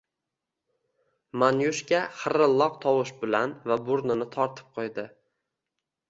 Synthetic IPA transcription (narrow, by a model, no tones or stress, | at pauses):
manjʊʃkʲaχɨɾɪlˠːɒq̚t̪ʰɒwʊʃbɪlanvabʊɾnɪnɪt̪ʰɒɾt̪ʰɪ̥p̚qʰojd̪ɪ